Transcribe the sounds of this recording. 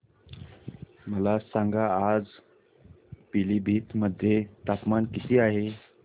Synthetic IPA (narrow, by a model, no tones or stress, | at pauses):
məlasãŋɡaːd͡z | piliːbʱiːt̪məd̪ʱːjet̪apmankit̪iːaɦe